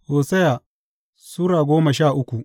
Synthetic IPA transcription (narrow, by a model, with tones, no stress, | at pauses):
hoː˨sɛ˦ja˨ | suː˦ɽaː˨ɡʷoː˦mɐ˨ʃaː˦˨ʔʊ˦kʷu˨ʔ